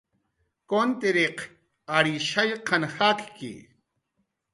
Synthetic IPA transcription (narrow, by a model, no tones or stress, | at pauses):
kont̪iɾeq | aɾiʃajqʰɑnxakkḭ